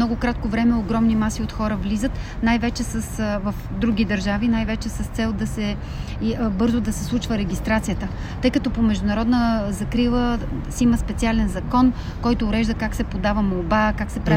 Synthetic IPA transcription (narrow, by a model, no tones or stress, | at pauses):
mnɔɡʊkɾat̪̚kovɾɛmɛoɡɾɔmnimasiot̪xɔɾəvlizət̪ | najvɛt͡ʃɛsəsvəfd̪ɾuɡʲid̪ɐɾʒavinajvɛt͡ʃɛsɐst̪sɛlˠd̪ɐsɛ | bɤɾzod̪ɐsɛslˠut͡ʃvəɾɛɡʲist̪ɾat̪sijət̪ə | t̪ɤjkɐt̪ɔpomɛʒd̪ʊnɐɾɔd̪nəzɐkɾilˠəsiməspɛt̪sialɛnzɐkɔn | kɔjt̪oːɾɛʒd̪əkaksɛpod̪avəmolˠbakaksɛpɾɛ